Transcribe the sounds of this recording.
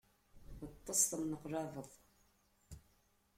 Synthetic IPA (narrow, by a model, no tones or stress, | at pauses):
ət̪ˤːəsˤθəmnəqɾˤɑðˤəðˤ